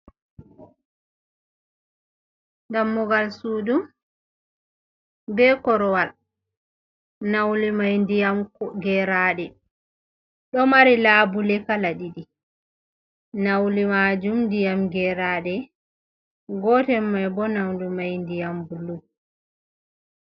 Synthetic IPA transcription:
ŋɡamːɔɡalsuːdum | bɛkɔɾɔwal | nawlimajndijamkɔɡɛɾaːɗɛ | ɗɔmaɾilaːbulɛkalaɗiɗi | nawlimad͡ʒumndijamɡɛɾaːɗɛ | ɡɔtɛmːajbɔnawlimajndijambulum

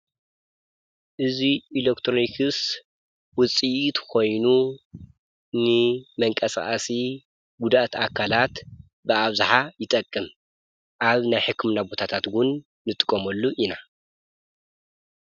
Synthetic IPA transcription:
ʔɨziːlekt̪ʰɾonikʰɨs | wʊt͡sʼiʔt̪kʰo̞jnu | nɨmɐŋkʼɐsa̰ʔʼasi | ɡud̪aʔt̪akʰalat̪ | bɨaβzaħajɪt̪ʼɐkʼːɨm | ʔaβnajħɨkʰːɨmnabo̞t̪ʰat̪ʰat̪ɡʊnː | ɨt̪ʼɨ̥kʼːɐmɐlːuʔina

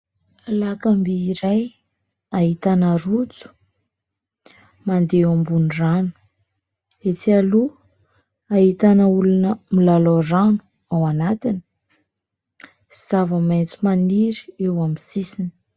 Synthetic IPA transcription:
alakambiːɾaj | aɦit̪anarut͡su̥ | mand̪eambunranu̥ | et͡sialu | ait̪anəulunəmilaloranu̥ | awanat̪ini̥ | iz̥avəmajnt͡sumaniɾiewamisisini̥

